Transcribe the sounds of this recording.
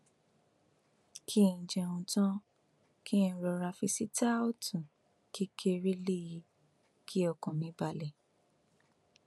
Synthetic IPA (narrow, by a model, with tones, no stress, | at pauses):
kʰĩ˦˨d͡ʒɛ̃˧ũ˧tɔ̃˦ | kʰĩ˦˨ɾɔ˧ɾa˧fi˧si˦ta˦o˦tʰũ˨ | ki˦kʰe˧ɾe˦le˦ji˧ | kʰi˦ɔ˧˨kɔ̃˨mĩ˧˦ba˧lɛ˨